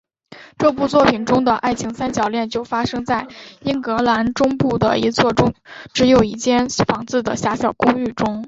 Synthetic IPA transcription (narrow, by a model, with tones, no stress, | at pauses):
ʈ͡ʂɤ˥˧pu˥˧t͡swɔ˥˩pʰi˨˩nʈ͡ʂʊ˥ŋd̪ə˨ʔa˥˩ɪt͡ɕʰi˧˥ŋsa˥nt͡ɕjɑ˨˩ʊljɛ˥˧nt͡ɕjo˥˩ʊfa˥ʂɤ˥ŋt͡sa˥˩ɪi˥nkɤ˧˥la˧˥nʈ͡ʂʊ˥ŋpu˥˩d̪ə̰˩i˧˥t͡sʰwɔ˥˧ʈ͡ʂʊ˥ŋʈ͡ʂɻ̩˧˥jo˨˩ʊi˥˩t͡ɕjɛ˥nfɑ˧˥ŋt͡sɹ̩˥˩d̪ə˩ɕja˧˥ɕjɑ˨˩ʊkʊ˥ŋy˥˩ʈ͡ʂʊ˥ŋ